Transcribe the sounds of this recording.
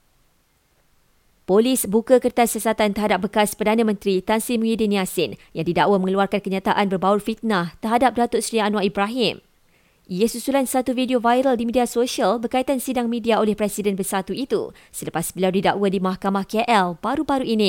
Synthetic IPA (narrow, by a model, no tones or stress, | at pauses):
polisbukəkərt̪asiasat̪ant̪əɦadap̚bəkaspərdanãmə̃nt̪ɾit̪ansimũjidinĩasɪnjaŋdidaʔwamə̃ŋəluarkankəɲãt̪aʔanbərbawufit̪̚naht̪ərɦadap̚dat̪ʊt̪̚sɾianw̃aibɾaɦɪm | jesusulansat̪ufidiovajɾəldimidiasoʃiəlbərkait̪ansidaŋmĩdiaolɛhpɾɛsidɛnbərsat̪uit̪ṵ | sələpasbəliawdidaʔwədimahkamahkɛʔɛlbaɾubaɾuʔinĩ